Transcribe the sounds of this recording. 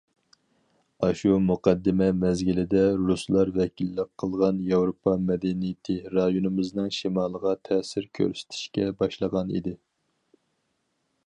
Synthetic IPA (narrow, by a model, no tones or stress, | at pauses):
ɑʃumuqɑd̪ːɪmɛmɛzɡʲilɪd̪ɛɾuslˠɑɾvɛkʲʰilːɪqʰːəlˠʁɑnjɑwɾopʰɑmɛd̪ɛnijɪt̪ʰɪɾɑjonɨmɨznɨŋʃimɑlˠʁɑt̪ʰɛsɪɾkʲʰø̰ɾsɪ̥t̪ʰɪ̥ʃkʲɛbɑʃlˠəʁɑnḭd̪ɪ